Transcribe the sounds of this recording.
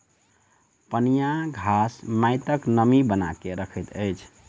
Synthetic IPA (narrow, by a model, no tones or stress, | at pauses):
pənijaɡʱasmaɪt̪əknəmibəna̰keɾəkʰəjt̪əjt͡ʃʰ